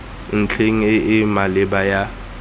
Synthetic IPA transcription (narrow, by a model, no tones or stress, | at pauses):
n̩t͡ɬʰeŋ̩ɪɪmalɪbaja